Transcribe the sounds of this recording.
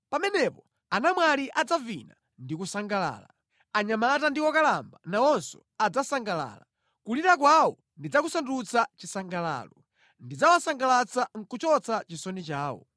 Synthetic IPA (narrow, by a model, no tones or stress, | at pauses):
pamɛnɛpɔ | anamwaliʔad͡zavina̰ | ndikusaŋɡala̰ːla̰ | aɲamatandiwɔkalambanawɔnsɔ | ad͡zasaŋɡala̰ːla | kuliɾak̬wawɔ | ndid͡zak̬usandut͡sat͡ʃisaŋɡala̰ːlɔ | ndid͡zawasaŋɡalat͡saŋ̩kut͡ʃɔt͡sʰat͡ʃisɔnit͡ʃaːwɔ̰